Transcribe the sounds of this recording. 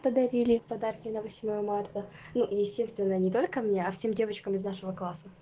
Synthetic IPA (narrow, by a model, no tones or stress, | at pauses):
pəd̪ɐɾʲilʲɪpɐd̪arkʲɪnəvɐsʲmojəmart̪ə | nujɪsʲtʲest̪vʲɪnːənʲɪt̪o̞lʲkəmnʲeɐfsʲe̞mdʲe̞vət͡ɕkəmɪznaʂɨvəklˠasə